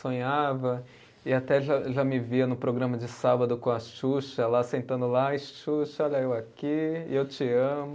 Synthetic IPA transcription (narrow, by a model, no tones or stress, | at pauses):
sõɲavɐ | ɪat̪ɛʒaʒamɪviɐnʊpɾoɡɾɐ̃mɐd͡ʒɪsabɐd̪ʊkõɐʃʃuʃɐlasẽnt̪ɐ̃nd̪ʊlaɪʃʃuʃɐɔʎɐewakiewt͡ʃiɐ̃mʊ